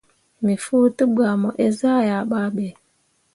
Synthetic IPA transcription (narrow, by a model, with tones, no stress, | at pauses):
mi˨fu˦tu˦ba˨mɔ˨ʔe˦za˦˨ja˨ɓa˦ɓe˨